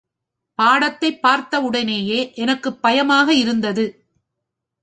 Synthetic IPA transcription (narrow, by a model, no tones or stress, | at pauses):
paːɽɐt̪ːɐɪpːaːɾt̪ɐɯɽɐneːjeːʔɛnɐkːɯpːɐjɐmaːɣɐɪɾɯnd̪ɐðɯ